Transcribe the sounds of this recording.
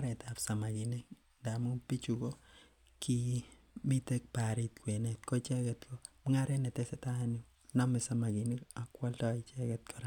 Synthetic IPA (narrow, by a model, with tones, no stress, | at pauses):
a˦ɾɛ˨tapsa˨ma˨ki˨nek | da˨mu˦ŋpi˦t͡ʃu˨ko˦ | kʰi˦ | mi˦te˦k̚pa˨ɾi˦t̚kwe˨ne˨tko˦t͡ʃɛ˦kɛ˨tkʰo˦m˦ŋa˦ɾɛ˦ne˨tesɛ˨ta˦no˦ | nɔ˦misa˨ma˨ki˨ni˦ka˨kwa˦ltɔ˦it͡ʃɛ˦kɛt̚kʰɔɾa˦